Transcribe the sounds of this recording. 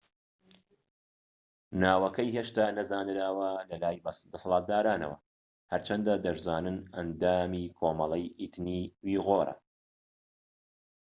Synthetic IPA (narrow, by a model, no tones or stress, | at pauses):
naːwɐkɐjheːʃt̪aːnɐzaːnɨɾaːwɐlɐlaːjbd̪ɐsɐlˠɑːt̪̚d̪aːɾaːnɐ̰wɐ̰ | hɐɾt͡ʃʰɐnd̪ad̪ɐʃzaːnɨnɐnd̪aːmiːkʰoːmɐlˠɛjʔit̪niːwiːɣoːɾɐ̰